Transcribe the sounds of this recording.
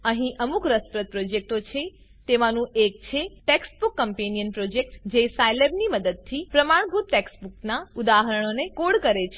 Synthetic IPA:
əɦĩʔəmukɾəspɾət̪̚pɾod͡ʒek̚ʈot͡ʃʰe | t̪eʋanũʔek̚t͡ʃʰeʈeksbukːəmpenijənpɾod͡ʒek̚ʈd͡ʒesajlebniməd̪əd̪̚t̪ʰipɾəmaɳ̃bʱut̪̚ʈeksbuknaud̪aɦəɾəɳ̃onekoɽkəɾet͡ʃʰe

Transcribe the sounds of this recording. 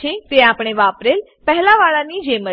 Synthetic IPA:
ẽt̪eaːpɽ̃eʋaːpɾel | pɛɦlaʋaːɭãnid͡ʒemə

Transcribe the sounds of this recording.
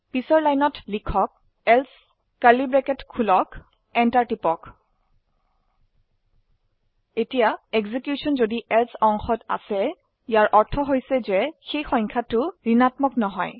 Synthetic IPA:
pisɔɹlajnɔtlikʰɔk̚ | ɛls | kalibɹɛkɛtkʰulɔk | ɛntaɹtipɔk | etijaɛɡzikjusɔnzodiʔɛlsɔŋxɔta̰sɛ | ijaɹʔɔɹtʰɔɦojsɛzɛxejxɔjŋkʰatʊɹinatmɔknɔɦɔj

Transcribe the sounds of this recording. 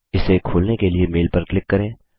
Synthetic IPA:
ɪsekʰoːlnekeliemeːlpɐɾklɪkːɐɾẽː

